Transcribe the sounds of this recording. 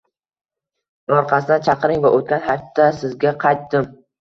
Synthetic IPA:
ɒɾqʰɑsɪd̪ant͡ʃʰɑqɾɪŋvaʔot̪̚kʲanhat̪ʰːasɪzɡʲaqʰɑjt̪ːɪm

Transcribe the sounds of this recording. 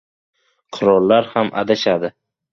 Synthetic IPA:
qʰʊɾɒlˠːaɾhama̰d̪aʃad̪ɪ

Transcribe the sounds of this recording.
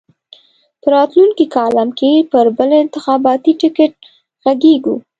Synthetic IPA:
pəɾɑt̪luŋkikɑlamkʰepəɾbəlɪnt̪ɪxɑbɑt̪iʈɪkɪʈ̚ | ɣaɡeɡṵ

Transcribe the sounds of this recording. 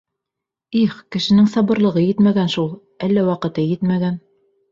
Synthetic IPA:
iχkɘ̆ʃɘ̆nɘŋsɑbɤ̆ɾlˠɤ̆ʁɤjɘt̪mæɡænʃulˠ | ælːæwɑqɤ̆t̪ɤjɘt̪mæɡæn

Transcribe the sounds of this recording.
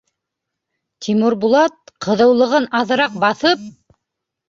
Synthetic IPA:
t̪ʲʰimuɾbulˠɑt̪̚qʰɤ̆ðɤ̆wlˠɤ̆ʁɤnɑðɤ̆ɾɑq̚bɑθɤp̚

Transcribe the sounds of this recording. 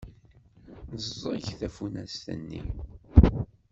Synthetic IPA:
nəzzˤʝθæfunæst̪ə̰nːḭ

